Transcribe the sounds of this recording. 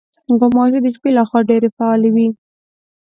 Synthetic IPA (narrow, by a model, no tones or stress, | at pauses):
ɡʊmɑʒid̪əʒbelaxwɑɖeɾefaɑlewi